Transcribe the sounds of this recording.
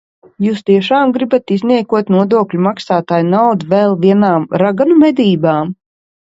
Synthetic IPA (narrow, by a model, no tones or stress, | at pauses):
juːst̪iɛʃaːmɡɾibat̪izniɛkuɔt̪nuɔd̪uɔklʲumaksaːt̪aːjnawd̪uvɛlˠviɛnaːmɾaɡanumɛd̪iːbaːm